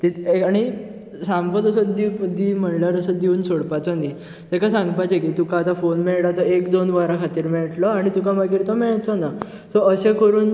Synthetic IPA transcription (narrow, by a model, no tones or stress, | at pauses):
t̪it̪eaɽ̃i | sampət̪əsəd̪id̪iːm̤əɳləɾəsəd̪iuːnsoɽpat͡sɔni | t̪ekasãŋɡpajt͡sekit̪ukãːt̪afonmeɭɽat̪əekd̪onʋaɾakʰat̪iːɾmeɭʈlɔaɽ̃it̪ukamaɡiːɾt̪ɔmeɭt͡sɔna | sɔəsẽkəɾuːn